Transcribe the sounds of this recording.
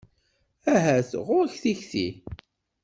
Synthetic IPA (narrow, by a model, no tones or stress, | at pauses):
æɦæθʁʊɾçθiçθḭ